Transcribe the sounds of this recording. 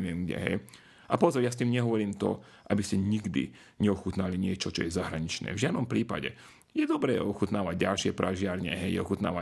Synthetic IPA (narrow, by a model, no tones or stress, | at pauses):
ʋɪɛmɡɟɛ̰ɦɛ̰j | ʔapɔzɔɾjast̪iːmɲɛɦɔʋɔɾiːmt̪ɔ̰ | ʔabiscɛɲiɡd̪ḭ | ɲɛɔxut̪naliɲɪɛt͡ʃɔt͡ʃɔ̰jɛzaɦɾaɲit͡ʃnɛ̰ːvʒɪad̪nɔmpɾiːpa̰ɟɛ̰ | jɛd̪ɔbɾɛːɔxut̪naːʋaɟɟalʃɪɛpɾaʒɪaɾɲɛ̰ɦɛjjɛ̰ɔxut̪na̰ːʋa